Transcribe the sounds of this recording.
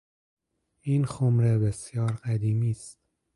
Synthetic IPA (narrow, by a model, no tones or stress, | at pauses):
iːnxomɾebesjɒːɾɢæd̪iːmiːst̪̚